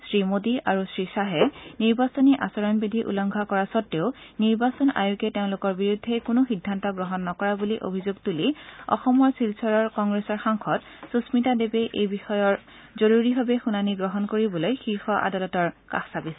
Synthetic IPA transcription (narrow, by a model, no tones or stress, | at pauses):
sɹimodiaɹusɹisaɦɛniɹbasɔniʔasɔɹɔnbidʱiʔṵlɔŋɡʱakɔɹasɔtːeʊniɹbasɔna̰jukɛteʊ̃lʊkɔɹbiɹudʱːɛkʊnʊxidʱːantɔɡɹɔɦɔnːɔkɔɹabuliʔo̰bʱizoɡtuliɔ̰xɔmɔɹsilsʰɔɹɔɹkɔŋɡɹesɔɹxaŋxʰɔt | susmitadebɛʔejbixɔjɔɹ | zoɹuɹiɦabɛxunaniɡɹɔɦɔnkoɹibɔlojxiɹxɔʔa̰dalɔtɔɹka̰xsabis